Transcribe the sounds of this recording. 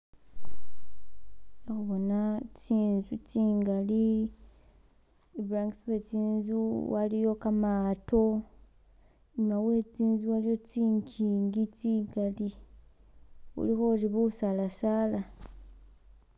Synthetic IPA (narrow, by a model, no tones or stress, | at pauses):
exuβonatiːnzutiːŋɡali | ebɾaŋkswet͡siːnzuwalijo̞kamaːto̞ | ɲumawe̞t͡siːnzuwalijo̞tiːɲkʰiːŋɡitiŋɡali | ṵlixoliβusalasaːla